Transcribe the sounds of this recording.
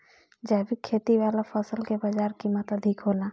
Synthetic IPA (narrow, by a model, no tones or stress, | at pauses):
d͡ʒaːbikʰeːt̪iʋaːlapʰɔsəlkebad͡ʒaːɾkiːmət̪ɐd̪ʱɪkɦoːnaː